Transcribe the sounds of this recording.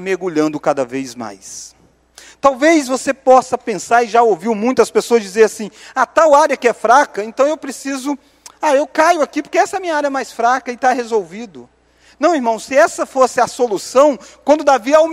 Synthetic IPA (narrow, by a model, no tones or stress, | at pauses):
meɡuʎɐ̃nd̪ʊkad̪ɐvejzma̰js | t̪awvejzvosepɔsɐpẽsaɾɪʒaowviwmũj̃t̪ʊɐspesoɐzd͡ʒizeɾasĩat̪awaɾjɐkɪɛfɾakɐẽnt̪ɐ̃w̃ewpɾesizʊ | aewkajʊakipoɾkeɛsɐɛmĩɲɐaɾjɐɛmajsfɾakɐɪt̪ahezowvid̪ʊ | nɐ̃w̃iɾmɐ̃w̃ssɪɛsɐfosɪɐsolusɐ̃w̃kwʷɐ̃nd̪ʊd̪aviɐu